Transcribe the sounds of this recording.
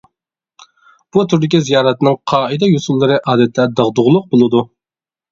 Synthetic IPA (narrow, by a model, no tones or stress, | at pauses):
b̥ut̪ʰuɾd̪ɪkʲizijɑːɾɛt̪ɨnɨŋqʰɑːɨd̪ɛjusulˠːɨɾɨʔɑːd̪ɛt̪ʰːɛd̪ɑʁd̪ʊʁlˠʊq̚bolˠɨd̪u